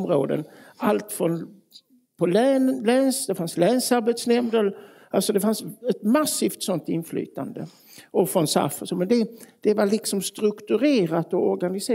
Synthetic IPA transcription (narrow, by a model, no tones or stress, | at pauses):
mɾoːd̪ə̰nalt̪fɾɔn | pʰɔlɛnlɛnsd̪ɛfanslɛːnsaɾbɛt̪snɛmd̪əl | alsɔd̪ɛfansɛt̪masːiːft̪sɔnt̪ɪnːfly̰ːt̪a̰nd̪ə | ɔfɾɔnsa̰fɔsɔmɛnd̪ɛd̪̥ɛvalɪksɔmst̪ɾɵkt̪ɵɾeːɾat̪ɔɔɾɡanɪseː